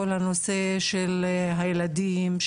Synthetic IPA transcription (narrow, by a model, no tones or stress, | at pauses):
olhano̞se̞ʃelɦajelad̪imʃ